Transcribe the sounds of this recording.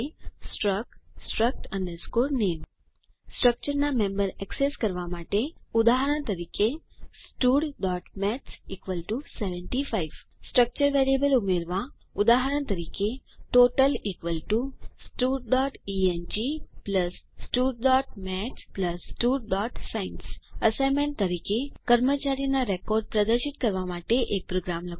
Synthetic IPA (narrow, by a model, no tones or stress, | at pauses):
sʈɾəksʈɾək̚ʈə̃nɖəɾskoɾnem | sʈɾək̚t͡ʃəɾnamẽmbəɾɛkseskəɾʋamaʈeʊd̪aɦəɾəɳt̪əɾike | sʈuɽɖɔʈmɛsikʋəlʈuseʋə̃ɳʈifʰaiʋ | sʈɾək̚t͡ʃəɾʋeɾiebəlʊmeɾʋa | ud̪aɦəɾəɳt̪əɾikeʈoʈəlikʋəlʈusʈuɖɖɔʈiend͡ʒipləsːʈuɖɖɔʈmɛt͡ʃpləsʈuɽɖɔʈsainsəsajmẽɳ̚t̪əɾikekəɾmət͡ʃaɾijnaɾekɔɾɖ̚pɾəd̪əɾʃit̪kəɾʋamaʈeʔek̚pɾoɡɾamlək